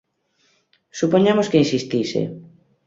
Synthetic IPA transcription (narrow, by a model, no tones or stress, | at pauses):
supoɲamoskeinsist̪isḛ